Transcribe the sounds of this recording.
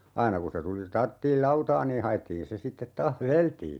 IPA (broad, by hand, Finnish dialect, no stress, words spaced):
ɑinɑ ku se tuli tɑrtːiːl lɑutɑː niː hɑj̆etːiːn se sitːet tɑːh ʋeleltiː